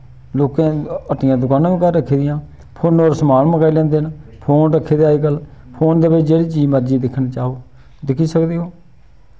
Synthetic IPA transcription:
loːkẽːəʈɪjãːd̪ʊkaːnãːʋĩːkəɾːəkʰːiːd̪ɪjãː | pʰoːnoːɾsəmaːlməɡaːilɛ̃ːnd̪eːnpʰoːnɾəkʰːeːd̪eaːiːɡəlpʰoːnd̪eːbɪt͡ʃd͡ʒeːɽiːt͡ʃiːd͡ʒməɾd͡ʒiːd̪ɪkʰnt͡ʃaːɦoː | d̪ɪkʰiːsəkd̪iːɦoː

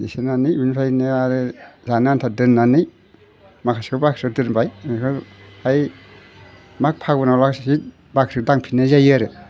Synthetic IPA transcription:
isenanɯjunpʰajneaɾɯzanɯantʰadɯnːanɯj | makʰaskʰɯbakʰɾɯk̚dɯɾbajkʰɯhaj | mak̚pʰaɡɯnawlakssit̚ | bakʰɾɯk̚daŋpʰinazajɯɾɯ

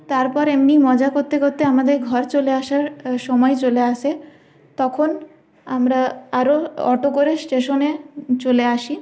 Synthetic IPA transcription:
t̪aɾpɔɾemnimɔd͡ʑakoɾt̪ekoɾt̪ːeamad̪eɾɡʱɔɾt͡ɕoleaʃaɾʃɔmɔet͡ɕoleaʃe | t̪ɔkʰon | amɾaaɾoɔʈokoɾesʈeʃonet͡ɕoleaʃi

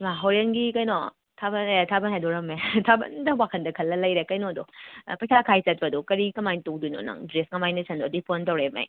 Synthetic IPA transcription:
maɦoɾenɡikɐjnɔ | tʰabɐnetʰabɐnhajdɔɾɐmetʰabɐ̰ndɐwakʰɐndɐkʰɐlːɐlɐjɾekɐjnodopɐjsʰakʰajt͡ʃɐt̚pɐdukɐɾikɐmajntoduno̰nɐ̰ŋdɾesŋɐmajnɐsʰɐndodipʰontɐwɾemɐ̰j

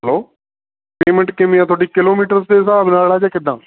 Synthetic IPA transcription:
ɦəloː | peːmə̃ɳʈkɪmĩːãːt̪ʰoːɖiːkɪloːmiːʈəɾsd̪eːsaːbnaːlaːd͡ʒãːkɪd̪ːãː

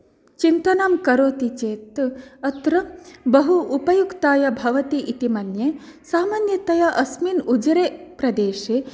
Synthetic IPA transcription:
t͡ʃint̪ɐnaːmkɐɾoːt̪it͡ʃeːt̪ɐt̪ɾɐbɐɦuʔupɐjukt̪aːjɐbʱɐʋɐt̪iʔit̪imɐnjesaːmaːnjɐt̪ɐjɐʔɐsminud͡ʒɾeːpɾɐd̪eːʃeː

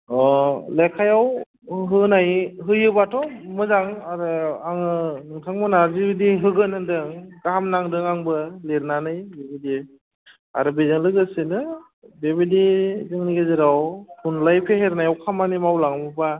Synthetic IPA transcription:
ɔlekʰajaw | ɦɯnajɦɯjɯbatʰɔmɯzaŋaɾɯaŋɯnɯŋtʰaŋmɯnazibidiɦɯɡɯnɯdɯŋɡaɦamnaŋdɯŋaŋbɯleɾnanɯjbebidi | a̰ɾɯbezɯŋlɯɡɯsɯnɯ | bebidizɯŋniɡɯzɯɾawkʰunlajpʰeɦeɾnajawkʰamanimawlaŋmɯba

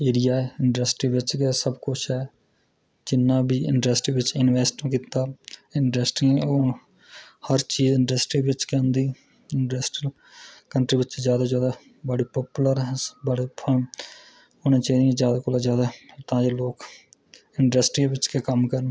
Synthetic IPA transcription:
eːɾijaːɛːɪɳɖəsʈɾiːʋɪt͡ʃkeːsəbkʊt͡ʃʰɦɛː | d͡ʒɪnːãːbiːɪ̰ɳɖəsʈɾiːʋɪt͡ʃɪnʋɛːsʈːkiːt̪aːɪnɖəsʈĩoː | həɾt͡ʃiːzɪɳɖəsʈɾiːʋɪt͡ʃkeʊ̃nd̪iː | ɪɳɖəsʈi | kəɳʈɾiːʋɪt͡ʃzjaːd̪aːd͡ʒjaːd̪aː | bəɽiːpɔːpuləɾɦɛbəɽeːpʰə | nẽːt͡ʃəiːd̪ĩd͡ʒjaːd̪aːkolazjaːd̪aːt̪ãːd͡ʒeːloːk | ɪɳɖəsʈɾiːʋɪt͡ʃkeːkəmkəɾn

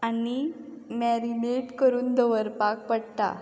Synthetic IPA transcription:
ani | mɛɾimeʈkəɾuːnd̪əʋəɾpak̚pəɽt̪a̰

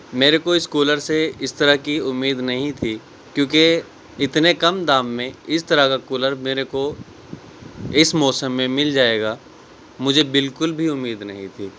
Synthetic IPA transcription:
meːɾekoɪskuːləɾseɪst̪ɐɾakiʊmːiːd̪nɐɦĩt̪ʰi | kjõːk̬e | ɪt̪nekɐmd̪aːmːẽɪst̪ɐɾakakuːləɾmeːɾeko | ɪsmɔːsəmːẽmɪld͡ʒaːeːɡaː | mʊd͡ʒʱebɪlkʊlbʱiʊmːiːd̪nɐɦĩt̪ʰiː

